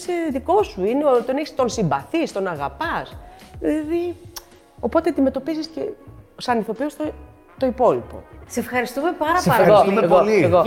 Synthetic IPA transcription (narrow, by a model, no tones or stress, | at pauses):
seðiko̞suineot̪oneçst̪o̞nsimbɐθist̪o̞nɐɣɐpɐsilði | o̞po̞t̪eɐnd̪ime̞t̪o̞piziscesɐniθo̞piost̪o | t̪o̞ipo̞lipo̞̰sefxɐɾist̪umepɐɾɐolosumeeɣolieɣo